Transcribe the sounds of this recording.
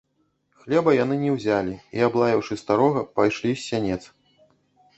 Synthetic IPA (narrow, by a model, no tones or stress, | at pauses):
xlʲɛbɐjan̪ɨnʲɛwzʲalʲiiablˠajɛwʂɨst̪aɾɔɣɐpajʂlʲisʲːanʲɛt̪s